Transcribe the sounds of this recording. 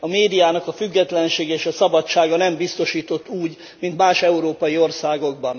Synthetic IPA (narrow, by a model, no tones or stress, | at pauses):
ɒmeːd̪ijaːnɒkɒfyɡːɛt̪lɛnʃeːɡɛeːʃɒsɒbɒt͡ʃːaːɡɒnɛmbist̪o̞ʃiːt̪o̞t̪ːuːɟ | mint̪maːʃɛuɾoːpɒjio̞rsaːɡo̞ɡ̚bɒn